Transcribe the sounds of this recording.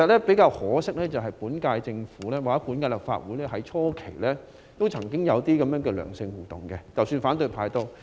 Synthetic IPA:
ɐ˨t̚lɛː˥pe˨˥jkaː˧whɔː˨˥sɪ˥k̚lɛː˥t͡sɐ˨˩wɦɐ˨˩jpuː˨˥nkaː˧jt͡sɪ˧ŋfuː˨˥lɛː˥waː˨k̚ɛ˦˥pu˨˥nkaː˧lɐ˨˩p̚fa̰ː˧t̚wuː˨˥jlɛː˥ɦɐ˨˥jt͡ʃʰɔː˥kʰe˨˩jlɛː˥ | t̪o˥wt͡sʰɐ˨˩ŋkɪ˥ŋjɐ˨˧wt̪iː˥kɐ˨˧˥mjœː˨˧˥ŋkɛː˧lœ̰ː˨˩ŋsɪ˧ŋwuː˨˩t̪ʊ̰˨˩ŋkɛ˧t͡sɐ˨wsyː˧nfaː˨˥nt̪ɵ˧ɥpʰaː˧jt̪o˥w

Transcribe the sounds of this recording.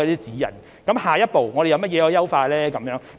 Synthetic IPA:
ɛ˧t̪iː˦˥t͡siː˨˥jɐ̰˨˩n | kɐ˨˦mhaː˨jɐ˥t̚po˨wŋɔː˨˧ɾe˨jɐ˧wmɐ˥t̚jɛː˨˧hɔː˨˧jɐ˥wfaː˧lɛː˥kɐ˨˦mjœː˨˥ŋ

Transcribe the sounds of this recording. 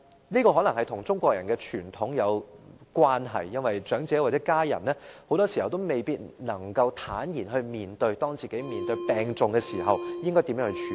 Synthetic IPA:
niː˥kɔː˧ɦɔ˨˥nɐ˨˩ŋhɐ˨jt̪ʰʊ˨˩ŋt͡sʊ˥ŋkʷɔː˧k̚jɐ˨˩nkɛː˧t͡ʃʰyː˨˩nt̪ʰʊ˨˥ŋjɐ˨˧wkwaː˥nɦɐ̰˨jːɐ˥nwɐ˨˩jt͡ʃœː˨˥ŋt͡sɛː˨˥waː˨˩t͡sɛ˨˦˥kaː˥jɐ̰˨˩nɛː˥ho˨˥wt̪ɔː˥si˨˩hɐ˨wt̪̬wme˨jpiː˥t̚nɐ˨˩ŋkɐ˧wt̪ʰaː˨˥njiː˨˩nɦɵ˧ɥmiː˨nt̪ɵ˧ɥjt̪ɔː˥ŋt͡siː˨ke˨˥jmiː˨nt̪ɵ˧ɥpɛː˨ŋt͡sʊ˨ŋkɛ˧siː˨˩ɦɐ˨wjɪ˥ŋkɔː˥jt̪i˨˧mjœː˨˧˥ŋhːt͡ʃʰy˨

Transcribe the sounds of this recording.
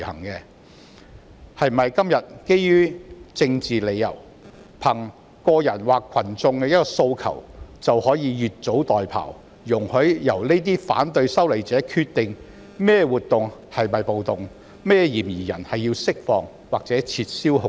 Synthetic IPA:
hɐ̰˨˩ŋkɛ˧ | hɐ˨jm˨ɐ˨jkɐ˥mjɐ˨t̚ke˥jjyː˥t͡sɪ˧ŋt͡siː˨le˨˧jɐ̰˨˩w | pʰɐ˨˩ŋ | kɔː˧jɐ˨˩nwaː˨kʰɐ˨˩nt͡sʊ˧ŋkɛː˧jɐ˥t̚kɔː˧so˧wkʰɐ̰˨˩wt͡sɐ˨whɔː˨˥jiː˨˧jyː˨t̚t͡so˨˥wt̪ɔː˨jpʰa̰ː˨˩w | jʊ˨˩ŋhɵ˨˥ɥjɐ˨˩wne˥t̪̬iː˥fa̰ː˨˥nt̪ɵ˧ɥsɐ˥wle˨˩jt͡sɛː˨˥kʰyː˧t̪ɪ˨ŋ | mɛː˥wuː˨t̪̚ːʊ˨ŋhɐ˨jmɐ˨jpo˨wt̪ʊ˨ŋ | mɛː˥jiː˨˩mjiː˨˩jɐ˨˩nhɐ˨jːiː˧wsɪ˥k̚fɔ̰ː˨˧ŋ | waː˨k̚t͡sɛː˨˥t͡sʰiː˧t̚siː˥whʊ˨˧

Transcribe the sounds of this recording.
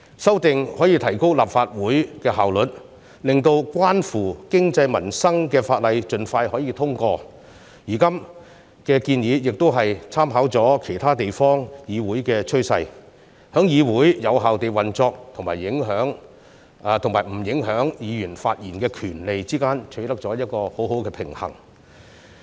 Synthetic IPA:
sɐ˥wt̪ɪ˨ŋhɔː˨˥jiː˧t̪ʰɐ˨˩jko˥wlaː˨p̚faː˧t̚wuː˨˥jkɛː˧ɦaː˨wlɵ˨t̚ | lɪ˨ŋt̪o˧wkʷaː˥nfuː˨˩kɪ˥ŋt͡sɐ˧jmɐ˨˩nsɐ˥ŋkɛː˧faː˧t̚lɐ˨˧jt͡ʃɵ˨nfaː˧jhɔː˨˥jiː˧t̪ʰʊ˥ŋkɔː˧ | jiː˨˩kɐ˥m | kɛː˧kiː˧njiː˨˧jɪ˨k̚t̪o˥wɦɐ˨jt͡sʰaː˥mɦaː˨˥wt͡sɔː˨˥kʰe˨˩jt̪ʰaː˥t̪e˨jfɔː˥ŋjiː˨˧wuː˨˥jkɛː˧t͡ʃʰɵ˥sɐ˧j | hœ˨˥ŋjiː˨˧wuː˨˥jjɐ˨˧wɦaː˨wt̪e˨jwɐ˨˩nt͡sɔː˧k̚t̪ʰʊ˨ŋmaː˨˩jːɪ˨˥ŋɦœː˨˥ŋ˧ | t̪ʰʊ˨˩ŋmaː˨˩jm̩˨˩jɪ˨˥ŋɦœː˨˥ŋjiː˨˧jyː˨˩nfaː˧t̚jiː˨˩nkɛː˧kʰyː˨˩nle˨jt͡siː˥kaː˥nt͡ʃʰɵ˨˧˥t̪ɐ˥k̚t͡sɔː˨˥jɐ˥t̚kɔː˧ho˨˥wɦo˨˥wkɛː˧pʰɪ˨˩ŋhɐ̰˨˩ŋ

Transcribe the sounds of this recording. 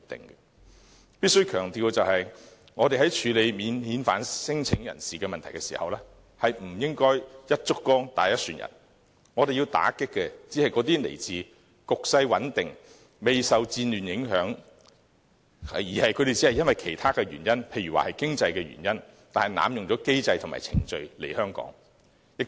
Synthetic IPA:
t̪ɪ̰˨ŋɡɛ˧ | piː˥t̚sɵ˥ɥjkʰœː˨˩ŋt̪iː˧wt͡sɐ˨whɐ˨j | ŋɔː˨˧e˨jɦɐ˨˥jt͡ʃʰyː˨˧le˨˧jmiː˨˧nhiː˨˧nfa̰ː˨˥nsɪ˥ŋt͡sʰɪ˨˥ŋjɐ̰˨˩nsiː˨kɛː˧mɐ˨nt̪ʰɐ˨˩jkɛ˧sḭː˨˩hɐ̰˨wlɛː˥ | hɐ˨jm̩˨˩jɪ˥ŋkɔː˥jjɐ˥t̚t͡sʊ˥kːɔː˥ŋt̪aː˨˩jɐ˥t̚syː˨˩njɐ̰˨˩n | ŋɔ˨˧ɾe˨ji˧wt̪a̰ː˨˥kɪ˥kːɛ˧t͡siː˨˥hɐ˨jkɔː˨˥t̪iː˥lḛ˨˩jt͡siː˨ | kʊ˨k̚sɐ˧jwɐ˨˥nt̪ɪ˨ŋ | me˨jsɐ˨wt͡siː˧nlyː˨˩njɪ˨˧˥ŋɦœː˨˥ŋ˨ | jiː˨˩hɐ˨jkʰɵ˨˧ɾe˨jt͡siː˨˥hɐ˨jɐ˥nwɐ˨˩jkʰe˨˩jt̪ʰaː˥kɛː˧ɥyː˨˩njɐ˥npʰe˧jɥyː˨˩wa̰ː˨hɐ˨jkɪ˥ŋt͡sɐ˧jkɛː˧ɥy̰˨˩njɐ˥n | t̪aː˨nhjna̰ː˨˧mjʊ˨ŋt͡ʃɔː˨˥ke˥jt͡sɐ˧jt̪ʰma̰ː˨˩t͡sʰɪ̰˨˩ŋt͡ʃɵ˧ɥle˨˩jhœː˥ŋkɔ̰ː˨˥ŋ | jɪ˧k̚

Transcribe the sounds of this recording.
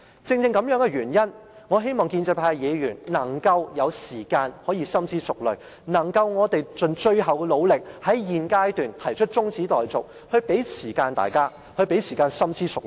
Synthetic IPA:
t͡sɪ˧ŋt͡sɪ˧ŋkɐ˨˥mjœː˨˥ŋkɛ˧ɥyː˨˩njɐ˥n | ŋɔː˨˧ɦe˥jmɔː˨˩ŋkiː˧nt͡sɛː˧˩pʰaː˧jjɛː˨˧jyː˨˩nnɐ˨˩ŋkɐ˧wjɐ˨˧wsiː˨˩kaː˧nhɔː˨˥jiː˧sɐ˥mt͡sʰiː˥sʊ˨k̚lɵ˨˩ | nɐ˨˩ŋkɐ˧wŋɔː˨˧t̪e˨jt͡ʃɵ˨˧nt͡ʃɵ˧ɥɦɐ˨wkɛ˧lo˨˧wlɪ˨k̚hɐ˨˥jjiː˨˧nkaː˥jt̪yː˨nt̪ʰɐ˨˩jt͡ʃʰɵ˥t̚t͡ʃt͡sʊ˥ŋt͡sʰiː˨˥t̪ɔː˨jt͡sʊ̰˨k̚ | hɵ˧ɥpe˨˥jsiː˨˩kaː˧nt̪a̰ː˨jkaː˥ | hɵ˧ɥpe˨˥jsiː˨˩kaː˧nsɐ˥mt͡sʰiː˥sʊ˨k̚

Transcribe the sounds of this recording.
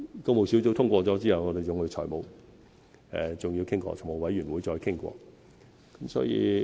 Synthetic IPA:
ko˧m˨˩wsi˨˥wt͡so˧˥wt̪ʰʊ˥ŋkʷɔː˧t͡sɔː˨˥t͡siː˥hɐ˨wŋɔː˨˧d̪e˨t͡sʊ˨˧ŋhɵ˨˧jt͡sʰɔ̰ː˨˩jmo˨w | ɛ˨t͡sʊ˨ŋji˧wkʰɪ˥ŋkʷɔ̰ː˧˩t͡sʰʊ˨˩mo˨˧˩wɐ˨˥jɥy˨˩nwuː˨˧jt͡sɔː˧jkʰɪ˥ŋkʷɔ̰ː˧ | kɐ˨˦msɔː˨˧˥jḭː˧

